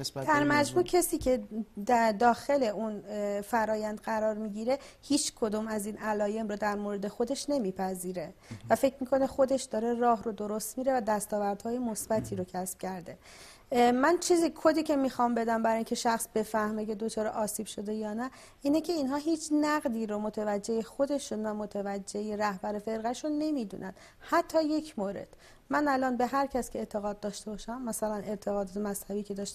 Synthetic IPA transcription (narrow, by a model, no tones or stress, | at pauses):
d̪æɾmæd͡ʒmuːcʰesiːcʰe̞d̪d̪ɒːxe̞le̞ʔunfæɾɒːjænd̪ɣæɾɒːɾmiɟiːɾe̞hiːt͡ʃʰkʰo̞d̪umæziːnælɒːje̞mɾɔːd̪æɾmoɾed̪e̞xo̞d̪e̞ʃne̞miːpʰæziːɾe̞væfe̞cʰmikʰo̞nexo̞d̪e̞ʃd̪ɒːɾe̞rɒːɦɾod̪o̞ɾo̞st̪miːɾe̞væd̪æst̪ɒːvæɾd̪̥hɒːjemo̞sb̥æt̪ʰiːɾocʰæsb̥̚cʰæɾd̪e̞ | mænt͡ʃʰiːzikʰod̪iːcʰe̞miːxɒːmbe̞d̪æmbæɾɒːiŋcʰe̞ʃæxsb̥e̞fæhme̞ce̞d̪o̞t͡ʃʰɒːɾḛʔɒːsiːb̥ʃo̞d̪e̞jɒːnæ | iːnecʰe̞iːnɦɒːɦiːt͡ʃʰnæɣd̪iːɾomot̪ʰevæd͡ʒːe̞jexo̞d̪e̞ʃunvæmo̞t̪ʰevæd͡ʒːejeɾæhbæɾefe̞ɾɣæʃonːe̞mid̪ṵːnʔæ̰nd̪̥ | hæt̪ʰːɒːje̞cʰmoːɾe̞̰d̪̥ | mænælɒːnbeɦæɾcʰæscʰe̞ːt̪ʰe̞ɣɒːd̪̚d̪ɒːʃt̪e̞bɒːʃæmːæsælænʔe̞ɾt̪ʰe̞ɣɒːd̪ɒt̪ʰemæshæbiːcʰe̞d̪ɒːʃt̪